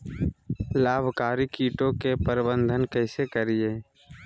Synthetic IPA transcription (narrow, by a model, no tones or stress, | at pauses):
laːbʱkaːɾikiːʈõkepəɾbə̃nd̪ʱənkɛɪsekəɾieː